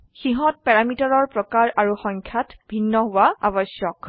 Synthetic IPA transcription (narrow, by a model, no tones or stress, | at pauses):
xiɦɔt̚pɛɹamitaɹɔɹpɹɔkaɹʔaɹuxɔŋkʰjatbʱinːɔɦʊwaa̰bɔsjɔk